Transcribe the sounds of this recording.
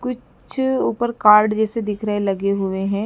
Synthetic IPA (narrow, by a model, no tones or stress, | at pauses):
kʊt͡ʃ | t͡ʃʰuːpəɾkaːɾɖd͡ʒɛːsed̪ɪkʰɾəɦelɐɡeɦʊeɦɛ̃ː